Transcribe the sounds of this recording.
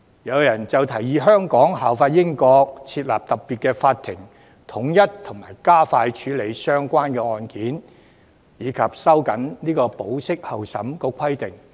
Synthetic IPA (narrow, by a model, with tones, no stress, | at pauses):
jɐ˨˧wjɐ˨˩nt͡sɐ˨˩wt̪ʰɐ˨˩jiː˨ɦœː˥ŋkɔː˨˥ŋɦaː˨wfaː˧t̚jɪ˥ŋkɔː˧k̚t͡sʰiː˧t̚la̰ː˨p̚t̪ɐ˨p̚piː˨t̚kɛː˧faː˧t̪ʰːɪ˨˩ŋ | t̪ʰʊ˨˥ŋjɐ˥t̚t̪ʰʊ˨˩ŋmaː˨˩jkaː˥faː˧jt͡ʃʰyː˨˥le˨˧jsœː˥ŋkʷaː˥nkɛː˧ŋɔː˧nkiː˨˥n | jiː˨˧kʰɐ˨p̚sɐ˥wkɐ˨˥nniː˥kɔː˧po˨˥wsɪ˥k̚hɐ˨˩wsɐ̰˨˥mkɔː˧kʷʰɐ˥jt̪ɪ˨˩ŋ